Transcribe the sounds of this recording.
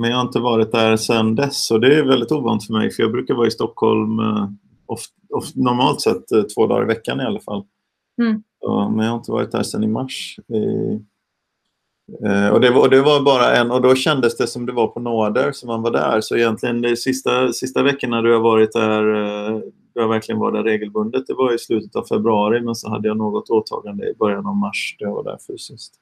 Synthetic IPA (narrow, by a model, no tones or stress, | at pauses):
mɛnjɑhaɾɪnt̪əvɑːɾɪt̪̚d̪æːɾsɛnd̪ɛsɔd̪ɛːvɛld̪ɪt̪uːvɑːnɪt̪fœɾmɛ̰jfœɾjɑːɡbɾʉ̟ːkaɾvɑːɾɪst̪ɔkhɔ̰lm | ɔf | ɔfnɔɾmɑːlt̪sɛt̪ʰːvoːd̪ɑ̰ːɾɪ̰vɛkːanɪalːafa̰lː | ɔ̰mɛnjɑhaɾɪnt̪əvɑ̰ːɾɪt̪̚d̪æ̰ːʂɛnɪmaʂɪ̰ | ɔ̰d̪ɛvɔd̪ɛvabɑːɾaʔɛnːɔd̪ɔɕɛnd̪əsd̪ɛsɔmd̪ɛvaɾpʰɔnoːɖ̪əɾsɔmhanvaɖæ̰ːɾsɔɪjɛnt̪ʰlɪɡənd̪ɛsɪst̪asɪst̪avɛkːənad̪ɵhavɑːɾɪt̪̚d̪æɾ | d̪ɵhaɾvæɾklɪɡənvɑ̰ːɾɪd̪æɾeːɡəlbɵnd̪ət̪̚d̪ɛvaɾɪslʉ̟ːt̪ət̪avfɛbɾɵɑːɾɪmɛnsɔɦa̰d̪ːəjanoːɡɔt̪oːt̪ʰɑ̰ːɡand̪ə̰ɪbœɾjanavmaʂd̪̥ɛjava̰ɖæ̰ːɾfyːsɪskt̪